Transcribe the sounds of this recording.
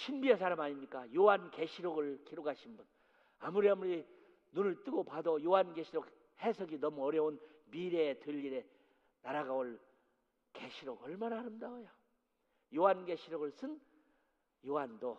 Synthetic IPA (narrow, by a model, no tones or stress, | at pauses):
ɕʰinbies̬ʰaɾamaɲimɲik͈ajoɦanke̞ɕʰiɾoɡɯɭkʰiɾoɡaɕʰinbun | amuɾiamuɾi | nunɯɭt͈ɯɡopadʌjoɦanɡeɕʰiɾok̚ | hesʰʌɡinʌmuʌɾjʌunmiɾeːtɯʎːiɾe̞ | naɾaɡaoɭ | ke̞ɕʰiɾoɡʌɭmanaaɾɯmdaojo | joɦanɡe̞ɕʰiɾoɡɯɭs͈ʰɯn | joɦando